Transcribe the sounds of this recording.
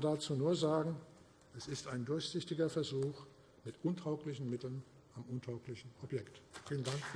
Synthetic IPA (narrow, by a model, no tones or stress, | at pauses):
daːt͡suːnuːɐzaːɡŋ̩ | ʔɛsɪstaɪndʊɐçz̥ɪçtɪɡɐfɛɐzuːx | mɪtʔʊntʰaʊklɪçn̩mɪtl̩n | ʔamʔʊntʰaʊklɪçn̩ʔɔpjɛktfiːləndaŋk